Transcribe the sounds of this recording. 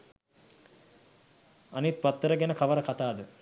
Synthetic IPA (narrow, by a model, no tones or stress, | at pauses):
ɐnit̪̚pat̪ːəɾəɡɛnəkʰɐʋəɾəkat̪aːd̪ə